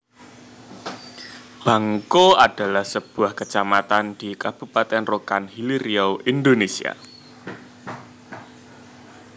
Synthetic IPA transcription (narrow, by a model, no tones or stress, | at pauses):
b̥a̤ŋkoad̥a̤lahsəb̥uahkət͡ʃamat̪and̥ikab̥ṳpat̪ɛnrokanhiliɾioʔindonesḭa̰